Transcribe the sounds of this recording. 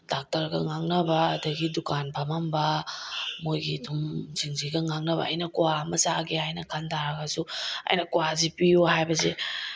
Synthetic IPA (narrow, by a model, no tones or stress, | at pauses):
dak̚tɐɾɡɐ̰ŋaŋnɐbɐːdɐɡidukanpʰamambɐ | mojɡitʰumziŋziɡɐŋaŋnɐβɐ̰ɐ̰jnɐkuwamɐzaɡehajnɐkʰantaɾaɡɐsuɐ̰jnɐkuwazipijuhajbɐze